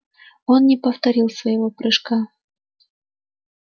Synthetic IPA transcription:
onːʲɪpɐft̪ɐɾʲilˠsvɐjɪvopɾɨʂkɑ

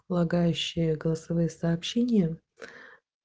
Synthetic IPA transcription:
lˠɐɡajʉɕːɪjəɡəlˠəsɐvɨjəsɐːpɕːenʲɪjə

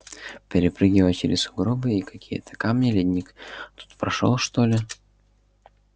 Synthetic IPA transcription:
pʲɪɾʲɪpɾɨɡʲɪvəjt͡ɕɪ̰ɾʲɪszʊɡɾobɨikɐkʲijə̰t̪ə̥kamnʲɪlʲɪdʲnʲikt̪u̥t̪pɾɐʂo̰lˠʂt̪olʲɪ

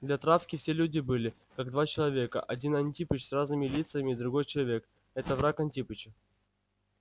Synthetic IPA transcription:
d̪lʲɐt̪ɾafkʲɪfsʲelʲudʲɪbɨlʲɪ | kaɡ̚d̪vat͡ɕɪlˠɐvʲe̞kə̰ʔɐdʲinɐnʲtʲipɨt͡ɕsraznɨmʲɪlʲit̪sɨjəmʲɪːd̪ɾʊɡo̞jt͡ɕɪlˠɐvʲe̞k | ɛt̪əvɾakɐnʲtʲipɨt͡ɕɪ

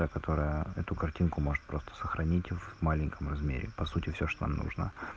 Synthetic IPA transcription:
əkɐt̪ʰo̞ɾəjəɛt̪ʊkɐrtʲinkʊmo̞ʐɨ̥t̪̚pɾo̞st̪ə̥səxɾɐnʲitʲvmalʲɪŋʲkəmrɐzmʲḛɾʲɪ̰pɐsutʲɪfsʲoʂt̪ona̰mnṵʐnə̰

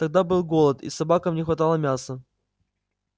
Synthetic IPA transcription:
t̪ɐɡ̚d̪abɨlˠɡolˠət̪ḭsɐbakəmnʲɪxvɐt̪alˠəmʲasə

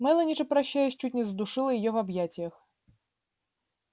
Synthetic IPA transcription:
mɛlˠɐnʲit͡ʂɐpɾaɕːajɛsʲt͡ʃutʲnʲɛzd̪uʂɨlˠɐjijɔvabjat͡sʲjɐx

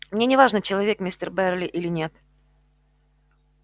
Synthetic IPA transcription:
mnʲenʲɪvaʐnət͡ɕɪlˠɐvʲe̞kmʲɪsʲt̪ʲərbɛrlʲɪʔilʲɪnʲe̞t̪

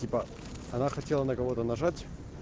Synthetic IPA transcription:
ipə | ɐnaxɐtʲe̞lˠənəkɐvo̞t̪ənɐʐatʲ

